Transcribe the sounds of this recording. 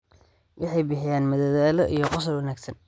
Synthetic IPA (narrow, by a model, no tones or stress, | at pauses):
wʔɑħɑjbɪħɪjaːnmɐðɐðaːlɔʔijɞqʊs̬ɐlwɐnaːɡsɐn